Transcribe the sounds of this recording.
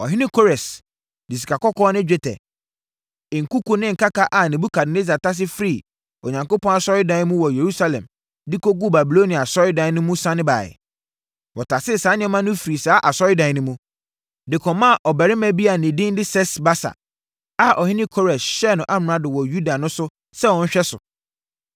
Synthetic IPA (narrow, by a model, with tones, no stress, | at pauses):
ɔ˨ɦɪ̃˦nɪ̃˦kʰo˦ɾɛ˨s | dɪ˨s̬i˨kʰa˨kɔ˦kʰɔ˦nɪ̃˦d͡ʑᶣɛ˦tʰɛ̰˨ | ɪ̃˨ŋ̩˨ku˦ku˦nɪ̃˦ŋ̩˨ka˦ka˦ʔa˨nĩ˨bu˦kʰa˨dɪ˨ne˦z̬a˨tʰa˦s̬ɪ˦fɾi˦˨ | o˨ɲã˨ŋko˦pʰɔ̃˦na˦sɔ˦ɾɪ˦dã˨˦mũ˦wɔ˨je˨ɾu˦sa˦lɛ̰̃˨m | di˦ko˦ɡu˦ba˨bi˨lo˦nĩ˨a˨sɔ˦ɾɪ˦dã˨˦nʊ̃˦mũ˦sã˦nɪ̃˦ba̰ː˨ɪ̰˨ | wɔ˨tʰa˨sɪ˦˨saː˨˦nɪ̃˦ɔ˦mã˦nʊ̃˦fɾi˨saː˦ʔa˨sɔ˦ɾɪ˦dã˨˦nʊ̃˦mũ˦ | dɪ˨kʰɔ̃˨mã˦˨ʔɔ˨bɛ˨ɾɪ˦mɛ̃˨bi˦a˨nɪ̃˨dɪ̃˦n˦dɪ˦sɛ˦sba˦sa̰˨ | a˨ʔɔ˨hɪ̃˦nɪ̃˦kʰɔ˦ɾɛ˨ɕɛ˦˨nʊ̃˨ʔa˦m˨ɾã˦dɪ˨wɔ˨ju˦da˨nʊ̃˦sʊ˦ | sɛ˦wɔ̃˨n̩˦ɕᶣɛ˦sʊ̰˨